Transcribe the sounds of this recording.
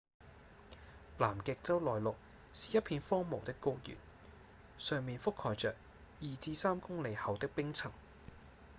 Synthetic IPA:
laː˨˩mkɪ˨˧k̚t͡sɐ˥wlɔː˨˩jlʊ˨k̚ | siː˨jɐ˥t̚pʰiː˧nfɔː˥ŋmo˨wt̪ɪ˥kːo˥jy̰ː˨˩n | sœː˨ŋmiː˨nfʊ˥kʰːɔː˨˩jt͡sœː˨k̚ | jiː˨t͡siː˧saː˥mkʊ˥ŋle˨˧jhɐ˨wt̪ɪ˥k̚pɪ˥ŋt͡sʰɐ˨˩ŋ

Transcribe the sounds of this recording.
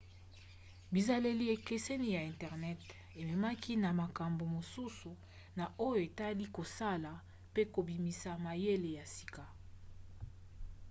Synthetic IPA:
bi˨za˨le˨li˨e˨ke˨se˦ni˦ja˨ɛ̃˨ntɛ˨ʁnɛ˦t | e˨me˨ma˦ki˦na˨ma˨ka˨mbo˨mo˨su˦su˨ | na˨o˦jo˨e˨ta˦li˦ko˨sa˦la˨ | pe˦ko˨bi˨mi˨sa˨ma˨je˦le˨ja˨si̥˨ka˨

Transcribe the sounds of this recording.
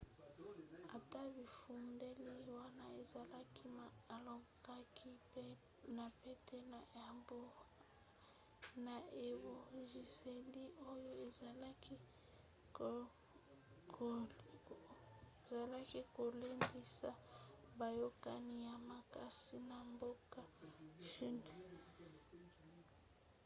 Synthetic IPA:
a˨ta˦bi˨fu˨nde˦li˦wa˦na˦e˨za˨la˦ki˦ma˨lo˨ɡa˦ki˦ | na˨pe˦tʰe˦na˨ja˨mbo˦ | na˨e˨bo˨ʒi˨se˨li˦o˦jo˦e˨za˨la˦ki˦˨ | za˨la˦ki˦ko˨le˦ndi˦sa˨ba˨jo˦ka˦ni˦ja˨ma˨ka˨si˦na˨mbo˦ka˦ʃi˦ne˨

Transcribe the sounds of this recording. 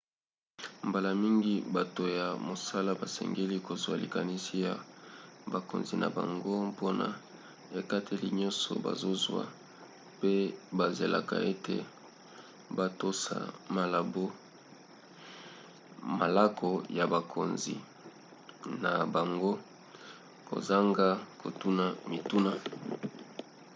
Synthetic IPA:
m̩ba˨la˨mi˦ŋɡi˦ba˨to˨ja˨mo˨sa˦la˦ba˨sɛ̰˨ŋɡe˦li˦ko˨zwa̰˨lḭ˨ka˨ni˦si˦ja˨ba˨ko̰˨nzi˨na̰˨ba̰˨ŋɡo˦po˦na̰˨ | e˨ka˦tʰe˦li˨ɲɔ˦nsɔ̰˨ba̰˨zo˦zwa̰˦ | pe˦ba˨ze˨la˨ka̰˨e˦tḛ˨ | ba˦to˦sa̰˨ma˨la˨bo˦ | ma˨la˦kʰo˨ja˨ba˨kʰo˨nzḭ˨ | na˨ba˨ŋɡo˦ | ko̰˨za˦ŋɡa˦ko˨tu˦na˨mi˨tu˦na˨

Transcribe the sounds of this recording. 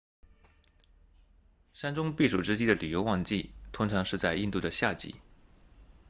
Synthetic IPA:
ʂa˥nʈ͡ʂʊ˥ŋpi˥˩ʂu˨˩ʈ͡ʂɻ̩˥t͡ɕi˥d̪ə˨ly˨˩jo˧˥wɑ˥˧ŋt͡ɕi˥˩t̪ʰʊ˥ŋʈ͡ʂʰɑ˧˥ŋʂɻ̩˥˧t͡sa˥˧ɪi˥˧nt̪u˥˩d̪ə˩ɕja˥˩t͡ɕḭ˨˩˦

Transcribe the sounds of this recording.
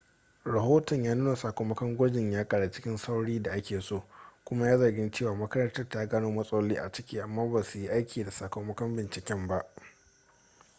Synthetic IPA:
ɽa˨ɦoː˦tɐ˨ɲjaː˦nuː˦na˨saː˨kʷoː˨mɐ˦kɐ˦ŋɡʷʊ˦d͡ʒɪ˨ɲjaː˦kʼa˨ɽa˨t͡ʃɪ̥˦kʲɪ˦nsa˦wɽiː˦da˨ʔa˦kʲeː˨soː˦˨kʷʊ˦ma˦jaː˦zɐ˨rɡʲɪ˦nt͡ʃeː˦˨waː˨mɐ˦kɐ˦ɾɐ˦ntɐ˦rta˦ɡaː˦noː˦mɐ˦sʼɐ˦ɐ˦lːiː˦ʔa̰˨t͡ʃɪ̥˦kʲiː˦ʔa˨mːaː˦baː˨su˨ji˦ʔa˦jkʲiː˨da˨saː˨kʷo˨mɐ˦kɐ˦mbɪ˨nt͡ʃɪ˨kʲɛ˦mba˦ʔ

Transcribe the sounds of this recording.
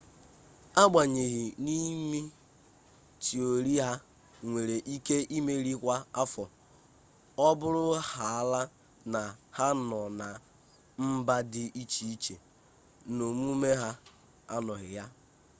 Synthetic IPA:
a˦ɡ͡ba˨ɲe˨ɣɪ˨ni˦mi˦ | ti˨o˨ɾi˦ɦa˦ | ŋʷe˨ɾe˨ʔi˦ke˦ʔi˦me˦ɾi˦kʷa˦a˦fɔ˨ | ɔ˦bʊ˦ɾʊ˦ha˨a˦la˦ | na˨ha˦nɔ˨na˨ | m̩˦ba˦dɪ˦ʔi˦t͡ʃi˨i˦t͡ʃe˨ | no˨m˦u˦me˦ɦa˦ | a̰˦nɔ˨ɣɪ˨ja˦

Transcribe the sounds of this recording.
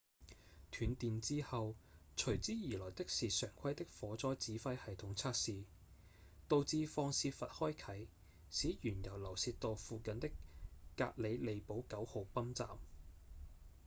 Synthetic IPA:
t̪ʰyː˨˧nt̪iː˨nt͡siː˥hɐ˨w | t͡ʃʰɵ˨˩ɥt͡siː˥jiː˨˩lɔː˨˩jt̪ɪ˥k̚siː˨sœː˨˩ŋkʷʰɐ˥jt̪ɪ˥k̚fɔː˨˥t͡sɔː˥jt͡siː˨˥fɐ˥jhɐ˨jt̪ʰʊ˨˥ŋt͡sʰaː˥k̚siː˨ | t̪o˨˧wt͡siː˧fɔː˧ŋsiː˧fɐ˨t̚hɔː˥jkʰɐ˨˥j | siː˨˥jyː˨˩njɐ˨˩wlɐ˨˩wsiː˧t̚t̪o˨˧wfuː˨˧kɐ˨nt̪ɪ˥kːa̰ː˧k̚le˨˧jle˨˧jpo˨˥wkɐ˨˥who˨˧wpɐ˥mt͡sa̰ː˨m

